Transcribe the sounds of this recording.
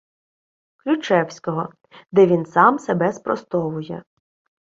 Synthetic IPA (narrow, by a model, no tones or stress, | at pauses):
klʲʊt͡ʃɛwsʲkɔɦɔ | d̪ɛʋʲinsɑmsebɛspɾɔst̪ɔʋʊjɛ